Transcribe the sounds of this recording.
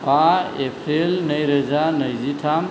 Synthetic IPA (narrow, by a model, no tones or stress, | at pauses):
paepʰɾelnʌjɾed͡zanəjd͡ʒiʈʰam